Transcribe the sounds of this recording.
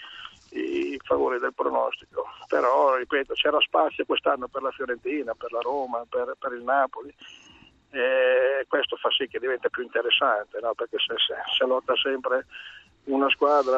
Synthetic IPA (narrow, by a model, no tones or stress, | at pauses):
ḭfavo̰ːɾid̪elpɾo̰nɔ̰st̪i̥kopeɾɔripɛːt̪ot͡ʃɛːɾaspat̪sːjokwest̪anːoperlafjoɾent̪iːnaperlaɾoːmaperpeɾilnaːpoli | ekwest̪ofasːik̟ːed̪ivɛnt̪apjuint̪eɾesːant̪enɔperkeseseselɔt̪ːasɛmpɾe | unaskwaːd̪ɾa